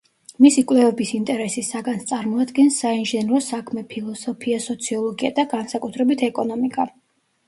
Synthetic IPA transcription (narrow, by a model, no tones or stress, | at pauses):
misikʼwlɛvɛbisint̪ʼɛɾɛsisaɡanst̪sʼaɾmɔad̪ɡɛnsːainʒɛnɾɔsakʰmɛpʰilˠɔsɔpʰiasɔt̪sʰiɔlˠɔɡiad̪aɡansakʼut̪ʰɾɛbit̪ʰɛkʼɔnɔmikʼa